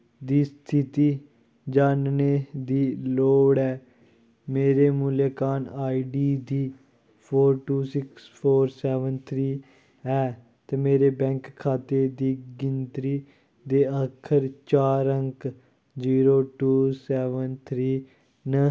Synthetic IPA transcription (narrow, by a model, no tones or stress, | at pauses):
d̪iːst̪ʰɪt̪iː | d͡ʒaːnneːd̪iːloːɽɛː | meːɾeːmuːleːkaːnaːiɖiːd̪iː | pʰoːɾʈuːsɪkspʰoːɾsɛːʋənt̪ʰɾiː | ɛː | t̪eːmeːɾeːbɛ̃ːŋkʰːaːt̪eːd̪iːɡɪnt̪ɾiː | d̪eːəkʰəɾt͡ʃaːɾəŋk | d͡ʒiːɾoːʈuːsɛːʋənt̪ʰɾiː | nə